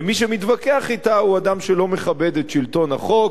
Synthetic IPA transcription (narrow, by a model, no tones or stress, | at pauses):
miʃemitvakeaχitauadamʃelo̞me̞χabe̞d̪etʃilto̞naχo̞k